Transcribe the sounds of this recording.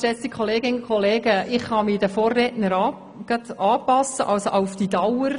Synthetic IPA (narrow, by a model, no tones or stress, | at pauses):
tɛt͡stikχoleːɡɪnkʰχɔleːɡəʔɪχhɑmidəfoːrːɛtnəɾɑ | ɡ̥ɑt̪ɑːpɑsəʔɑlsoʔaʊfd̥idɑwəɾ